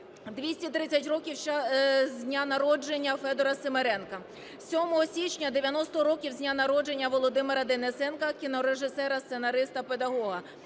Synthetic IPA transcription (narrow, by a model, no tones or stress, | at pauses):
d̪ʲʋʲisʲtʲit̪ɾɪt͡sʲːɐtʲrɔkʲiw | zʲnʲanɐɾɔd͡ʒenʲːɐfɛd̪ɔɾɐsemeɾɛnkɐ | sʲɔmɔɦɔsʲit͡ʃʲnʲɐd̪eʋʲjɐnɔst̪ɔɾɔkʲiwzʲnʲanɐɾɔd͡ʒe̞nʲːɐʋɔlˠɔd̪ɪmeɾɐd̪enesɛnkɐkʲinɔɾeʒɪsɛɾɐst̪senɐɾɪst̪ɐped̪ɐɦɔɦɐ